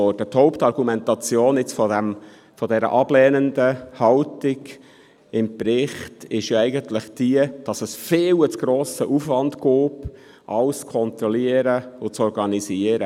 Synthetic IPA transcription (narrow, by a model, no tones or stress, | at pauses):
ɔdət̪hɔʊptɑɾɡ̥umɛntɑt͡sjoːnɪt͡sfɔdæm | fɔdɛɾə̰ʔɑb̥lɛːnənd̪əhɑltiɡ | ɪmpɾɪχtɪʃjɑɛɪɡəntləχd̥iəd̥ɑsəsfɪːwət͡sɡ̥ɾoːsəʔufʋɑnd̪koːp | ʔɑlst͡skʰɔnt̪ɾɔliəɾəʊt͡sɔɾɡɑnisiəɾə